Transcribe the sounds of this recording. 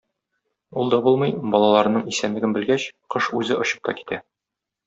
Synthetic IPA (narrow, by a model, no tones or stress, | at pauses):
ulˠd̪ɒbulˠmɤjbɒlˠɑlˠɑɾɤ̆nɤɴisæmlɘ̆ɡɘnbɘ̆lɡæɕqɤʃʉzɘʔŏɕɤ̥p̚t̪ɑki̥t̪æ